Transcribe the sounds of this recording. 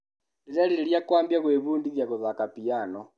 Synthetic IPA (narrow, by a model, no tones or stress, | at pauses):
liɾaliɾeljakwambjaɣweβuːndiðjaɣoðakapianɔ